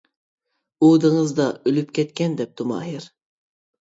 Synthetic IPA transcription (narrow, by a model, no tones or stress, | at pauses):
ud̪ɨŋɨzd̪ɑølypkʲʰɛt̪kʲɛnd̪ɛp̚d̪ʰumɑ̰ːɦɪɾ